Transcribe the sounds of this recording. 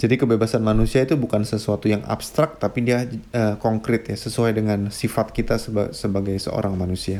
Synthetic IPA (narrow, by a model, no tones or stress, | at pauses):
d͡ʒadikəbebasanmanusiait̪ubukansəsuat̪ujaŋa̰bst̪ɾak̚t̪apidiaəkɔŋkɾɪt̪jasəsuajdəŋansifat̪̚kit̪asəba̰səbaɡajsə̰o̰ɾaŋmanusia